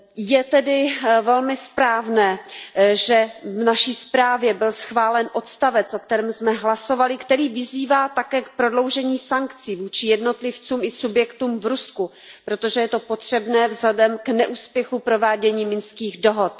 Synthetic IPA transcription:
jɛt̪ɛdɪvɛlmɪspɾaːvnɛːʒɛvnaʃiːspɾaːvjɛbɪlsxvaːlɛnʔo̞t̪st̪avɛt͡sʔo̞kt̪ɛɾɛːmsmɛɦlaso̞valɪkt̪ɛɾiːvɪziːvaːt̪akɛːkpɾo̞dlo̞wʒɛɲiːsaŋkt͡siːvuːt͡ʃɪjɛdno̞t̪lɪft͡suːmɪsubjɛkt̪uːmvɾusku | pɾot̪oʒɛjɛt̪o̞po̞t̪r̝̥ɛbnɛːvzlɛdɛmknɛʔuːspjɛxupɾo̞vaːɟɛɲiːmɪnskiːɣdo̞ɦot̪̚

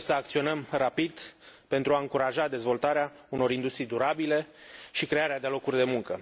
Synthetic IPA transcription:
səakt̪sio̞nəmrapid̪pe̞nt̪ɾuaɨŋkuɾaʒad̪e̞zvo̞lt̪aɾea | uno̞ɾind̪ust̪ɾijd̪uɾabile̞ʃikɾe̞aɾead̪elo̞kurʲd̪e̞muŋkə

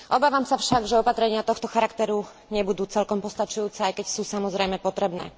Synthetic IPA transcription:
ʔɔbaːʋamsafʃaɡʒɛɔpat̪ɾɛɲɪat̪ɔxt̪ɔxaɾakt̪ɛɾu | ɲɛbud̪uːt͡sɛlkɔmpɔst̪at͡ʃujuːt͡sɛajkɛcsuːsamɔzɾɛjmɛpɔt̪ɾɛbnɛ̰ː

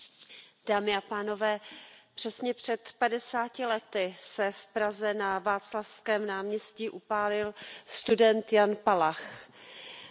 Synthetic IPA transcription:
d̥aːmɪapaːno̞vɛːpr̝̥ɛsɲɛpr̝̥ɛt̪padɛsaːcɪlɛt̪ɪsɛfpɾazɛnavaːt͡slafskɛːmnaːmɲɛsciːʔupaːlɪlst̪udɛnt̪janpalax

